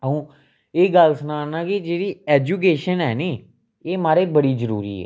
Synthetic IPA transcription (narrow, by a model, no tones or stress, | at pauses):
əɦũː | eːɡəlsənaːnãːkid͡ʒeːɽiːɛːd͡ʒuːk̬eːʃənɦɛːniː | eːmaːɾeːbəɽiːzəɾṵːɾḭːɛ̰ː